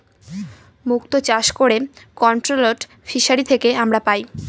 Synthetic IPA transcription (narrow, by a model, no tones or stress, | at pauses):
mukt̪ot͡ɕaʃkoɾekɔnʈɾoloʈ | fiʃaɾit̪ʰekeamɾapaj